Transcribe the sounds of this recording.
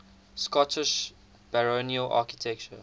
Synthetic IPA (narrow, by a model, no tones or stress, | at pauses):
skɔtʰɪʃ | b̥əɹoniəlʔa̰ːkitʰɛk̚t͡ʃə̰